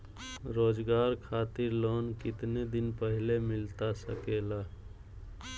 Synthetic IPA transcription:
ɾoːd͡ʒɡaːɾkʰaːt̪ɪɾloːnkɪt̪ned̪ɪnpəɦɪlemɪlt̪asəkela

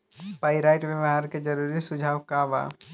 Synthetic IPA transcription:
paːɪɾaːɪʈʋəʋɦaːɾked͡ʒɐɾuːɾisʊd͡ʒʱaːʋkaːʋa̰ː

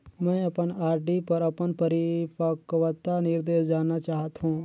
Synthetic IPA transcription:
mɛ̃ɐpənaːɾɖipɐɾɐpənpəɾipəkʋət̪ːanɪɾd̪eːʃd͡ʒaːnat͡ʃaːɦt̪ɦũː

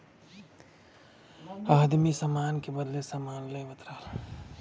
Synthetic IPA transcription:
aːd̪misəmaːnkebəd̪lesəmaːnləjbət̪ɾəɦəl

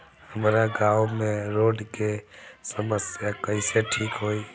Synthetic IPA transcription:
həmɾaɡaːʊmẽɾoːɖkesəməsjakəiseʈʰiːkɦoːiː

